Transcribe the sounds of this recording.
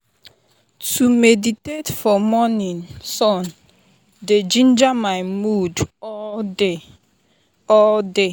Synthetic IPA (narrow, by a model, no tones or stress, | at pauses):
tʰumeditetfɔmɔnĩnsɔ̃n | ded͡ʒĩnd͡ʒamaɪmudɔde | ɔlde